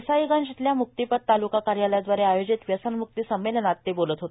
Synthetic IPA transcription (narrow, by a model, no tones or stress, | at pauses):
sajiɡãnd͡ʑit̪ljamuk̚t̪ipəd̪̚t̪alukakaɾjaljad̪ʋaɾeajod͡ʑit̪ʋjəsənmuk̚t̪iːsəmːelənat̪ːebolət̪ɦot̪e